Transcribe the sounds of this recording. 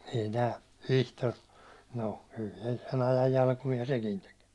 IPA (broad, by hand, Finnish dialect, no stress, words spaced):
ei tæː ʋihtor no kyl se sen ɑjɑj jɑlkumiɑ sekin tek